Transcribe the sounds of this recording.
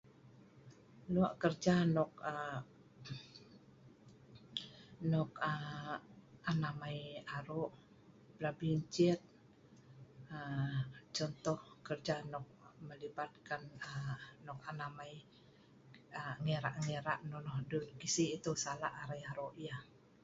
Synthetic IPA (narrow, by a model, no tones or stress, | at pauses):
luaʔkərd͡ʒanɔk̚ə | nɔk̚ə | anamaiaɾoʔ | bɾabiɲt͡ʃɛt̪̚ | ət͡ʃɔnt̪ɔhkərd͡ʒanɔk̚məlibat̪̚kanənɔkanamai | əŋeɾaʔŋeɾa̰ʔnɔnɔhdunkisiːt̪usalaʔaɾajaɾoʔja